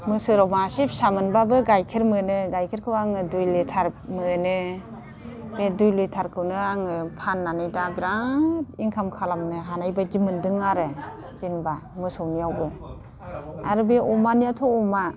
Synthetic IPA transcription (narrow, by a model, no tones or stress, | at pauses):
mɯsɯɾɔwmasip̚samɯnbabɯɡajkʰiɾmɯnɯɡajkʰiɾkʰɯwaŋɯdujlɯtʰaɾmɯnɯ | bedujlujtʰaɾkʰɯwnɯaŋɯpʰanːanɯjdabiɾatiŋkʰamkʰalamnɯɦanajbad͡ʒimɯndɯŋaɾɯ | d͡ʒinbamɯsɯwnijawbɯ | aɾɯbeʔɔmanijatʰɔɔma